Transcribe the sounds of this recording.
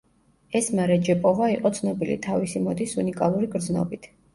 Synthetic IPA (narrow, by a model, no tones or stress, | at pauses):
ɛsmaɾɛd͡ʒɛpʼɔvaiqʼɔt̪sʰnɔbilḭt̪ʰavisimɔd̪isunikʼalˠuɾiɡɾd̪znɔ̰bit̪ʰ